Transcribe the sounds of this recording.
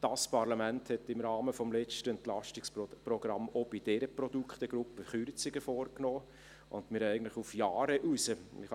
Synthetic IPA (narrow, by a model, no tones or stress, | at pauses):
d̥ɑspɑɾlɑmænthɛtːɪmɾɑːməfɔmlɛt͡ʃtəɛntlɑʃtɪksprɔɡ̥ɾɑmob̥id̥ɛɾəprɔd̥ukχt̪əɡ̥ɾupːəχyɾt͡sɪɡəfoːɾknoː | ʔʊ̰ndmɪɾæɪɡən̩tlɪχufjɑːɾəʔusəɪχ